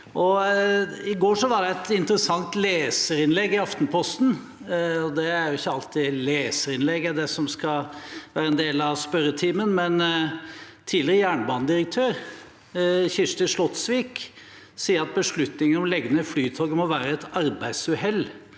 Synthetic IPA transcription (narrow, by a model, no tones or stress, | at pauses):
ʔɔ | ɪɡoːʂɔʋɑɖɛɛt̪ɪnt̪əɾəsɑŋt̪leːsəɾɪnlɛɡːɪɑft̪npʰɔst̪n̩ | ɔd̪ɛæɾjʊɪçːəɑlt̪ɪleːsəɾɪnlɛɡːɛd̪ɛsɔmskɑʋæːɾəɛnd̪eːlɑʋspœɾət̪ʰiːmənmɛn | t̪ʰiːlɪɾəjæːɳəbɑːnəd̪ɪɾək̚t̪ʰøːɾ | çɪʂʈ̪əʂlɔt̪sʋiːk | siːəɾɑt̪̚bəʂɭʉt̪nɪŋənɔmlɛɡːənəflyːt̪ʰɔːɡmɔʋæːɾəɛt̪ɑɾbæɪd̪sʉhɛlː